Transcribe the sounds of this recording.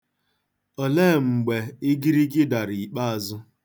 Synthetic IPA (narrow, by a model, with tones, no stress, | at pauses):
ɔ˨leː˦˨ŋ͡m̩˨ɡ͡be˨ɪ˦ɡi˦ɾi˦ɡɪ˦da˨ɾi˨i˨k͡pa˦a˨zʊ˦